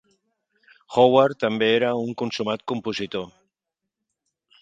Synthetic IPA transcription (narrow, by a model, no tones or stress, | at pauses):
xowaɾt̪ambeeɾauŋkonsumat̪̚kompusit̪o